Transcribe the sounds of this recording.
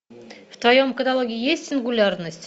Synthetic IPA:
ft̪vɐjomkəd̪alˠoɡʲɪɪjesʲtʲsʲɪnɡʊlʲarnəsʲtʲ

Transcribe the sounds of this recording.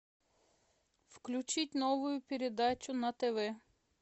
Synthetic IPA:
wklʲʊt͡ʃitʲnɔʋʊjʊpʲeɾed̪ɑt͡ʃʊnɐt̪eʋɛ

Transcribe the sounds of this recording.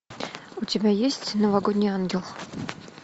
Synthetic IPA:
utʲebʲæjesʲtʲnɐvaɡod̪ʲnʲijanɡʲɪlˠχ

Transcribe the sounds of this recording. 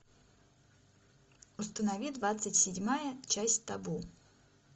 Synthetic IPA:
ʊst̪ənɐvʲid̪vat̪sɨtʲsʲɪdʲmajət͡ɕæsʲtʲt̪ɐbu

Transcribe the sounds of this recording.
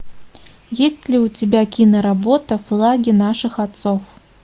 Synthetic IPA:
jesʲtʲlʲiut͡sʲɪbʲakʲinɐɾabot̪ɐflˠaɡʲinaʂɨxat̪sof

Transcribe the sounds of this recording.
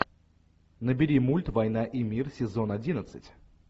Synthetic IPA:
nəbʲɪɾʲimulʲt̪vɐjn̪aʔimʲirsʲɪzo̞nɐdʲinət̪sɨtʲ

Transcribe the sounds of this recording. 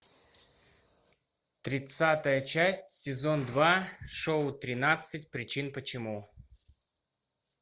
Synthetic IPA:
t̪ɾʲɪt̪sat̪əjət͡ɕæsʲtʲsʲɪzo̞nd̪vaʂoʊt̪ɾʲɪnat̪sɨtʲpɾʲɪt͡ɕinpət͡ɕɪmu

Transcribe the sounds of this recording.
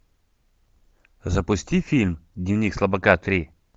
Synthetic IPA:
zɐpʊsʲtʲifʲilʲmdʲnʲiwnʲikslˠɐbɐkat̪ɾʲi

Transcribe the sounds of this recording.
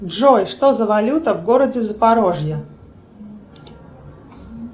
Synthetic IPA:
ʐojʂt̪ozɐvalʲut̪əvɡoɾəd͡zʲɪzəpaɾoʐjə

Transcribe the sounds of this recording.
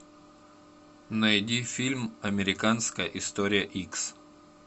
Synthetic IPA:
nɐjdʲifʲilʲmɐmʲɪɾʲɪkanskəjəʔɪst̪oɾʲɪjəʔiks

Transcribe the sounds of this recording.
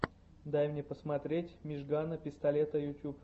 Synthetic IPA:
d̪ajmnʲepəsmɐt̪ɾʲetʲmʲɪʐɡanəpʲɪst̪ɐlʲet̪əjʊtʲup

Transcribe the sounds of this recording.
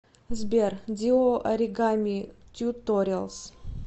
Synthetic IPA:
zbʲerd̪ʲioʔɐɾʲiɡamʲit̪ʲut̪ːoɾʲelˠs

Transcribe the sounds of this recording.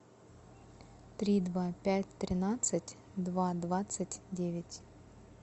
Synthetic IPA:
t̪ɾʲid̪vapʲæt̚ʲt̪ɾʲɪnat̪sɨtʲ | d̪vad̪vat̪sɨtʲdʲevʲɪtʲ

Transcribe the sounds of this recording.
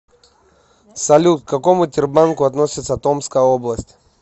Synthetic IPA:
sɐlʲut̪̚kkːɐko̞mʊtʲɪrbankʊɐt̪no̞sʲɪt̪sət̪o̞mskəjəoblˠəsʲtʲ

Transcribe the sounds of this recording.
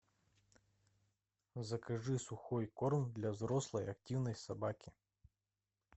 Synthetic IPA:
zɐkɐʐɨsʊxɔjkɔrmd̪lʲɐzɾɔslˠɐjɐktʲiwnɐjsɐbakʲi

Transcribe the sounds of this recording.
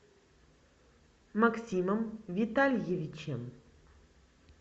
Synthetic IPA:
mɐksʲimɐmvʲit̪alʲjevʲit͡ʃʰem

